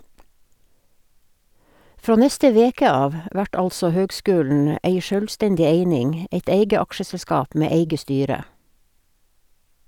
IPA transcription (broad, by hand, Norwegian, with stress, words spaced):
ˈfɾoː ˈnɛstə ˈʋeːkə ˈɑːʋ ə ˈʔʋæʈ ˈɑlsɔ ˈhøːɡˌskʉːln̩ ə ˈʔeɪ ˈʃœlˌstɛɲɟɪ ˈeɪnɪŋ ə ˈʔeɪt ˈeɪɡə ˈɑkʃəsɛlˌskɑːp ˈmeː ˈeɪɡə ˈstyːɾə